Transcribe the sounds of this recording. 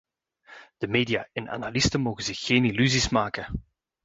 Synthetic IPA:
d̥əmeːdijaːʔɛna̰nalɪstəmoːɣəzɪxːeːnilyzismaːkə

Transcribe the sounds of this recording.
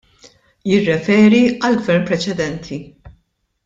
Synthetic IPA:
jɪrːɛfɛːɾiɐlɡvɛɾmpɾɛt͡ʃɛd̪ɛnt̪ʰi

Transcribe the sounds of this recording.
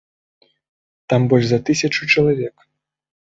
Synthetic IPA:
t̪ambɔlʲʐzɐt̪ɨsʲɐt͡ʂut͡ʂɐlˠavʲɛk

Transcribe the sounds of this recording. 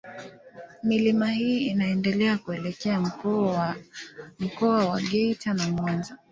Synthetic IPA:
milimahiːnaɛndɛlɛakuɛlɛkɛa | m̩kɔawaɠɛitʰanamwanza

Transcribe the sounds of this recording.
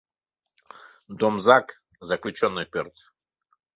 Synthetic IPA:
d̪omzak | zɐklʲʊt͡ɕonːɨjpʲert̪

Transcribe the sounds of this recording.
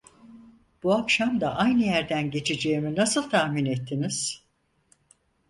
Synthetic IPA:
b̥uakʃamd̪aʔajnɯjæɾd̪ænɟe̞t͡ʃʰed͡ʒe̞jiminasɯlˠt̪ʰaːminet̪ʰːiniz̥

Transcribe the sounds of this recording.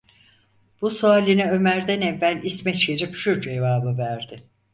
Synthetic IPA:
b̥usoalʲinɛø̞mæɾd̪ænevːælʲismɛt͡ʃeɾipʃuɾd͡ʒevaːbɯvæɾd̪ɪ

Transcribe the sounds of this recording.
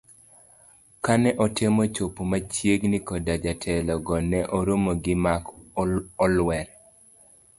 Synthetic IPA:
kanɛʔɔtɪmɔt͡ʃopumat͡ʃjeɡnikɔdad͡ʒatʰɛlɔɡɔnɛʔɔɾomoɡɪmak | ɔlwɛɾ

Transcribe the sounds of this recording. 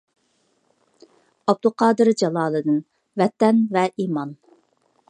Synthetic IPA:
ɑb̚d̪ʊqʰɑːd̪ɨɾd͡ʒɑlˠɑːlˠɨd̪ɪn | vɛt̪ɛnvɛʔiːmɑn

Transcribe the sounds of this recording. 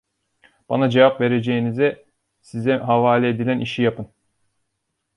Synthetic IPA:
b̥anad͡ʒevapve̞ɾed͡ʒejinizɛ | sizɛɦavaːlʲɛːd̪ilʲænʔiʃijapɯn

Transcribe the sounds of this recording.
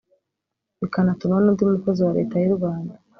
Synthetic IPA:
βikanatuɾanuːndiumukoziwaɾe̞ːtajuɾɡwaːnda

